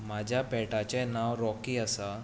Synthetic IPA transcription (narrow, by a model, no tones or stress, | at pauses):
mad͡ʑʱjapɛʈat͡ɕẽnaʋɾɔkiːəsa